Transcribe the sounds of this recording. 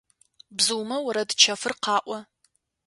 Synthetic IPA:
bzɨwmɐwɐɾɐdt͡ʃʰɐfɨrqɑːʔʷɐ

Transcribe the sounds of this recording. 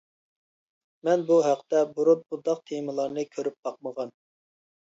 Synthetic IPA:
mɛnbuɦæqt̪ɛbuɾut̪̚bud̪ɑq̚t̪ʰeməlˠɑɾnɨkʲʰøɾyp̚bɑq̚məʁɑn

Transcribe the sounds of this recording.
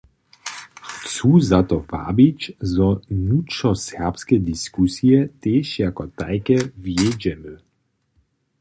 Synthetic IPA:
t͡suːzat̪ɔva̰bit͡ɕzɔnutʂɔsɛʁpskɛd̪iskusiɛt̪eːʃjakɔt̪a̰jkɛvjed͡ʑɛmə

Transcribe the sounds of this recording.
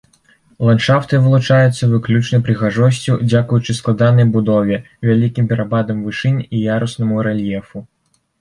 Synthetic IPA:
lˠanʂaft̪ɨvɨlˠut͡ʂajut̪sːɐvɨklʲut͡ʂnɐjpɾɨɣaʐɔs̬ʲt͡sʲud͡zʲakujut͡ʂɨsklˠad̪an̪ɐjbud̪ɔvʲɛ | vʲalʲikʲimpʲɛɾʔabad̪ɐmvɨʂɨnʲijaɾusnɐmuɾɛlʲjɛfu

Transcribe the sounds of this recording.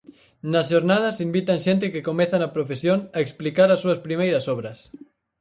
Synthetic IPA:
nɐsʃoɾnað̞ɐsimbit̪ɐŋʃent̪̬ɪkɪkomɛθɐnɐpɾofesjoŋɐeksplikaɾɐsːuɐspɾimejɾɐsɔβ̞ɾɐs

